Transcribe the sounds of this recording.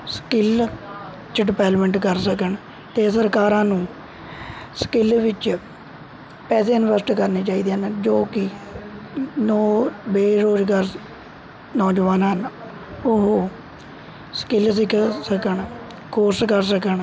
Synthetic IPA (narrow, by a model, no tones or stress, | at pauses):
skɪl | t͡ʃəɖɪpɛːlməɳʈkəɾsəkəɳ | t̪eːsəɾkaːɾãːnũː | sə̥kɪlʋɪt͡ʃ | pɛːs̬eːənʋəsʈkəɾniːt͡ʃaːiːd̪eːənd͡ʒoːkɪ | nɔːbeːɾoːd͡ʒɡaːɾ | nɔːd͡ʒʋaːnaən | ʊɦoː | sə̥kɪlsɪkʰsəkəɳ | kʰoːɾskəɾsəkəɳ